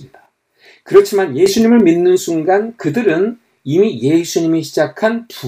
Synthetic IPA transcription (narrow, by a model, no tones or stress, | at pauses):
ida | kɯɾʌt͡ɕʰimanje̞sʰuɲimɯɭminːɯnsʰuŋɡankɯdɯɾɯn | imije̞sʰuɲimiɕʰid͡ʑakʰanpu